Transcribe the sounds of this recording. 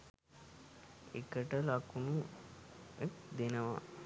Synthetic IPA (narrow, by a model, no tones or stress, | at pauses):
ḛkəʈəlakunu | ek̚d̪enəʋa̰